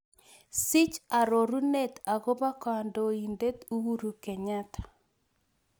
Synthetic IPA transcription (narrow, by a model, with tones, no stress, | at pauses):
sɪ˦t͡ʃa˨ɾo˨ɾu˦ne˦t̪a˨ɡo˦ba˦ka˨ndo˨i˨nde˦tu˦wu˦ɾu˨kɛ˨ɲa˦t̪ʰḁ˨